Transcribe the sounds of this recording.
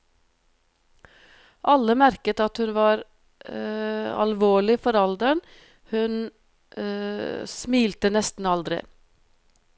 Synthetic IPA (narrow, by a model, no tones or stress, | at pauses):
ʔɑləmæɾkət̪ɑt̪hʉnʋɑːɾ | ɑ̰lʋoːɭɪfɔɾɑld̪əɳ | hʉn | smiːlt̪ənɛst̪n̩ɑld̪ɾɪ̰